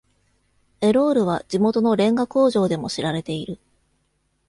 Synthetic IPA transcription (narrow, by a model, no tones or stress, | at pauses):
e̞ɾo̞ːɾɯ̟β̞ad͡ʑimo̞t̪o̞no̞ɾẽ̞ŋɡako̞ːʑo̞ːd̪e̞mo̞ɕiɾaɾe̞t̪e̞iɾɯ̟